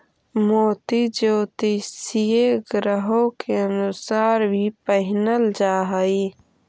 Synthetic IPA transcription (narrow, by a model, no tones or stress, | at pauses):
moːt̪id͡ʒoːt̪isijeɡɾəɦõkeənusaːɾbʱipəɦɪnəld͡ʒaːɦəi